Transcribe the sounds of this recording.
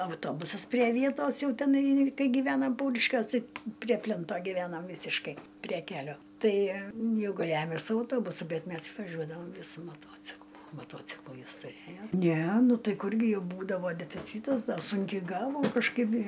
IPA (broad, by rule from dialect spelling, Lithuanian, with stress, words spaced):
ɐʊˈtoːbʊsɐs pʲrʲiɛ ˈʋʲiɛtoːs ˈjɛʊ tʲɛˈnɐɪ ˈkɐɪ ɡʲiːˈʋʲæːnɐm ˈpɐʊrʲɪʃʲkʲuɔs ˈtɐɪ pʲrʲiɛ ˈpʲlʲɛntoː ɡʲiːˈʋʲæːnɐm ˈʋʲiːsʲɪʃkɐɪ pʲrʲiɛ ˈkʲæːlʲoː ˈtɐɪ ˈjɛʊ ɡɐˈlʲæːjoːm ɪr sʊ ɐʊˈtoːbʊsʊ ˈbʲɛt ˈmʲɛs ʋɐˈʒʲuɔdɐʋɐm sʊ mɐˈtuɔt͡sʲɪklˠʊ mɐˈtuɔt͡sʲɪklˠʊ ˈjɪs tʊˈrʲeːjoː ˈnʲɛ ˈnʊ ˈtɐɪ ˈkʊrʲɡʲɪ ˈjɛʊ ˈbuːdɐʋoː dʲɛfʲɪˈt͡sʲiːtɐs dɐ ˈsʊŋʲkʲɛɪ ˈɡɑːʋoːm kɐʃˈkɐɪp ɪ